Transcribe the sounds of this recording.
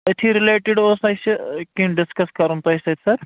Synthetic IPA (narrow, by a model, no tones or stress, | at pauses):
ɐʈʰiɾɪleːʈɪɖoːsɐskĩɖɪskɐskɐɾunt̪oesɐt̪sɐɾ